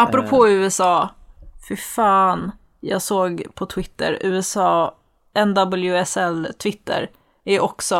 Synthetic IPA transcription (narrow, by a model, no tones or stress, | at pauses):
apɾʊpʰoːʉ̟ːɛsɑːfɪɾfɑːn | jɑ̰ːɡsoːɡpʰɔt̪ʰvɪt̪ːə̰ɾʉ̟ːɛsɑː | ɛnd̪abəljʉɛsɛlt̪ʰvɪt̪ʰːə̰ɾ | æɾʔɔksɔ